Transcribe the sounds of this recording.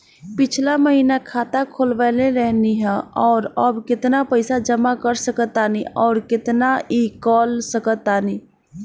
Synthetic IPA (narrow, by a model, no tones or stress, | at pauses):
pɪt͡ʃʰlaməɦinakʰaːt̪akʰoːlʋaleɾɛɦniɦɛ̃ɔːɾəbkɪt̪napəɪsad͡ʒəmakəɾsəkət̪aːniɔːɾkɪt̪naʔikɔːlsəkət̪aːni